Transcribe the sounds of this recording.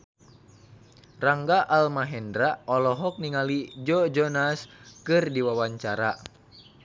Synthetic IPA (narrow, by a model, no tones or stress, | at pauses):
raŋɡaʔalmaɦɛndɾaɔlɔɦɔk̚niŋalid͡ʒɔd͡ʒɔnaskɨrdiwawaɲt͡ʃaɾa